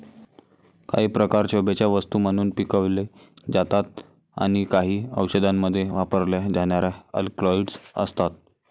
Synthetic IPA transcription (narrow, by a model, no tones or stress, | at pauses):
ka̰ɦiːpɾəkaɾt͡ɕobet͡ɕjaʋəst̪uːməñuːnpikəʋle | d͡zat̪at̪̚ | a̰ɽ̃ikaɦiːəwɕəd̪ʱamːəd̪ʱːjeʋapəɾljad͡zaɳ̃jaɾjaə̰lklɔiɖsə̰st̪at̪̚